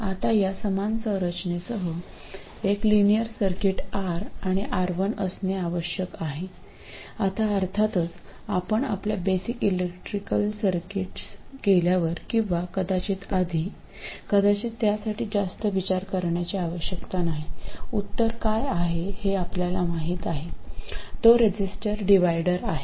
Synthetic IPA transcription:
at̪ajasəmansə̃wɾət͡ɕnesəɦə | eklinijəɾsəɾkiʈaɾaɽ̃iʔaɾʋənəsneaʋəɕjəkaɦe | at̪aəɾt̪ʰat̪ət͡sapəɳa̰pljabesikilekʈɾikəlsəɾkiʈskeljaʋəɾkĩw̃ʋakəd̪at͡ɕiːt̪ad̪ʱiː | kəd̪at͡ɕiːt̪ːjasaʈiːd͡zast̪əʋit͡ɕaɾkəɾɳjat͡ɕiaʋəɕjəkt̪anaɦiut̪ːəɾkajaɦeheapljalamaɦiːt̪aɦet̪oɾed͡ʑisʈəɾɖiʋajɽəɾaɦe

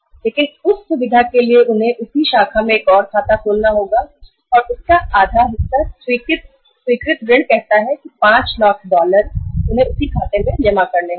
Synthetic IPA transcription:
leːkɪ̃nʊsːʊʋɪd̪ʱakelieʔʊnɦẽʔʊsiʃaːkʰamẽeːkɔːɾkʰaːt̪akʰoːlnaɦoːɡaː | ɔːɾʊskaaːd̪ʱaɦɪsaswiːkɪt̪̚ | swiːkɾɪt̪̚ɡɾɪ̃ɳɖkɛɦt̪aɦɛkipãːt͡ʃlaːkʰɖɔːləɾʊnɦẽʊsikʰaːt̪emẽd͡ʒɐmakɐɾne

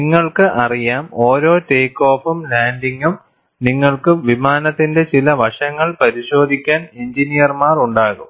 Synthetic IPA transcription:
niŋːɐɭkɨʔɐrijaːmo̞ːɾo̞ːteːkːo̞ːfumlaːndiŋɡum | niŋːɐɭkɨʋimaːnɐt̪ːinde̞t͡ɕilɐʋɐʂɐŋːɐɭpɐɾiɕo̞ːd̪ʱikʲːaːneɲd͡ʑinijɐrmaːruɳɖaːɣum

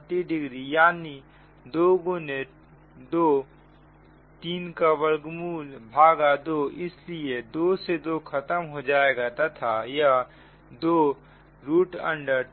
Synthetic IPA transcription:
ʈ̪iɖɪɡɾijaːni | d̪oːɡone | d̪oː | t̪iːnkaʋəɾɡmuːlbʱaːɡad̪oːɪslied̪oːsed̪okʰət̪əmɦod͡ʒaːeɡat̪at̪ʰaja | d̪oː | ɾuːʈə̰̃ɳɖəɾ

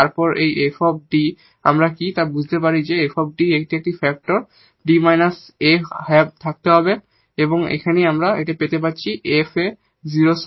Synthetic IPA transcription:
aɹpɔɹʔejʔepʰɔp̚ɖi | a̰mɹakit̪abud͡ʑʱt̪ep̬aɹizeepʰɔp̚ɖiek̚ʈiek̚ʈipʰɛk̚ʈɔɹ | ɖimajnas | ehɛb̚t̪ʰak̚t̪eɦɔbe | ebɔŋḛkʰanejamɹaet̬ɛpet̪ep̬att͡ɕʰiʔepʰe | ziɹos

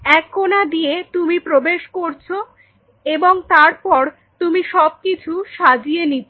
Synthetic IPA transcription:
ɛkʰːonad̪ijet̪umipɾobeʃkoɾt͡ɕʰo | eboŋt̪aɾpɔɾ | t̪umiʃɔb̚kit͡ɕʰuʃad͡ʑijenit̪ʰ

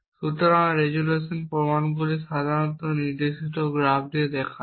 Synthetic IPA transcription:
sut̪ɔɾanɾeɡulesɔnpɾomanbuliʃad̪ʱaɾɔnt̪ɔniɾd̪eʃit̪ɔɡɾabd̪id̪ɛkʰa

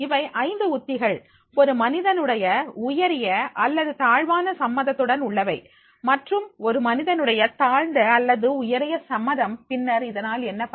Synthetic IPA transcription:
ɪʋɐɪʔɐɪnd̪ɯʊt̪ːɪɣɐɭ | ɔɾɯmɐnɪðɐnɯɽɐjɐʊjɐɾɪjɐʔɐlːɐðɯt̪aːɻʋaːnɐsɐmːɐðɐt̪ːɯɽɐnʊɭːɐʋɐɪ | mɐʈrɯmɔɾɯmɐnɪðɐnɯɽɐjɐt̪aːɻɳɖɐɐlːɐðɯʊjɐɾɪjɐsɐmːɐðɐmpɪnːɐɾɪðɐnaːlɛnːɐpɐ

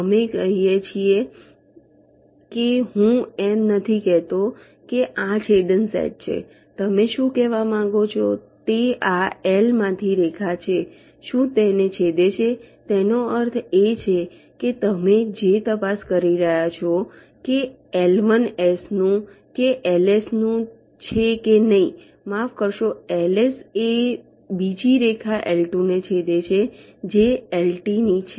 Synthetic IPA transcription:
əmekəɦijet͡ʃʰie | keɦũɛmnət̪ʰikɛɦt̪o | keʔat͡ʃʰed̪ənsɛ̰ʈ̚t͡ʃʰḛ | t̪əmeʃũkɛʋamãŋɡot͡ʃʰot̪eʔaɛlmãt̪ʰiɾɛkʰat͡ʃʰe | ʃũt̪enet͡ʃʰed̪et͡ʃʰet̪enoəɾt̪ʰet͡ʃʰe | ket̪əmed͡ʒet̪əpaskəɾiɾəɦjat͡ʃʰo | ke | ɛlʋənesnũ | keʔɛlesnũ | t͡ʃʰekenəɦĩ | mafkəɾʃoelese | bid͡ʒiɾekʰaʔelʈunet͡ʃʰed̪et͡ʃʰe | d͡ʒeelʈinit͡ʃʰ

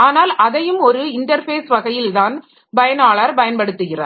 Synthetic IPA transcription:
aːnaːlɐðɐjɯmɔɾɯɪɳʈɐɾfeːsʋɐɣɐjɪlt̪aːn | bɐjɐnaːɭaːɾbɐjɐnpɐɽɯt̪ːɯɣɪrɐ̰

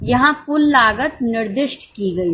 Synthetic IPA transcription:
jɐɦãpʊlːaːɡət̪nɪɾd̪ɪʃʈkiɡɐi

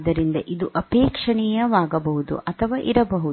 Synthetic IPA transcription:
d̪ɐɾind̪ɐʔid̪uʔɐpeːkʂɐɳijɐʋaːɡɐbɐɦud̪ṵʔɐt̪ʰɐʋaːʔiɾɐbɐɦu

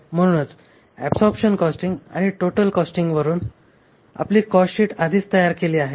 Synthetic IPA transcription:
m̤əɽ̃unət͡s | æpsɔɾpɕənkɔsʈiŋɡa̰ɽ̃iʈoʈəlkɔsʈiŋɡʋəɾuːn | a̰pliːkɔsɕiːʈad̪ʱiːst̪əjaɾkeliːaɦe

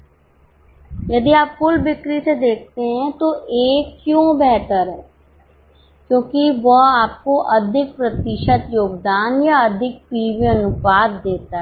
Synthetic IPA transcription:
jɐd̪iaːpfʊlbɪkɾised̪eːk̚ʰt̪eɦɛ̃t̪oʔeːkːjõːbɛːɦt̪əɾɛ | kjõːkiʋoaːp̚koʔɐd̪ʱɪk̚pɾət̪ɪʃət̪joːɡd̪aːnjaəd̪ʱɪk̚piːʋiənʊpaːt̪̚d̪eːt̪aɦ

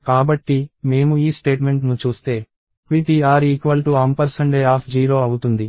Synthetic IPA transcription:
kaːbɐʈːime̞ːmuiːsʈe̞ːʈme̞ɳʈnut͡ʃuːst̪e̞ː | kʋit̪iaːɾiːkʋɐlʈuɐmpɐɾsɐɳɖeaːpʰd͡ʒiːɾo̞ːɐwut̪und̪i

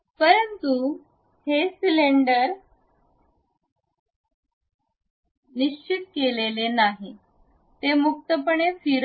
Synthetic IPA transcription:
pəɾənt̪u | hesileɳɖəɾ | niɕt͡ɕit̪kelelenaɦi | t̪emuk̚t̪əpəɳefiɾ

